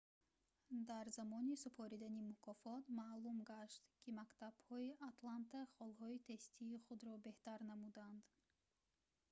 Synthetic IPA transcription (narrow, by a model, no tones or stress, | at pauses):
d̪aɾzamɔnisupʰɔɾid̪animukʰɔfɔt̪maʔlumɡaʃt̪kʰimakt̪ab̥hɔiʔat̪lant̪ʰaχɔlɦɔit̪ʰe̞st̪ʰiːχud̪ɾɔbe̞ht̪aɾnamud̪and̪